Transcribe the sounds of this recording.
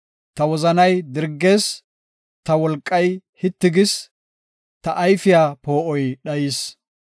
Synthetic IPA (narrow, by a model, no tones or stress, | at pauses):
t̪ɐwɔzɐnɐjd̪ɪɾɡːe̞ːs | t̪ɐwɔlkʼːɐjhɪt̪ːɪɡɪs | t̪ɐʔɐjfɪjaːpoːʔɔjɗɐjiːs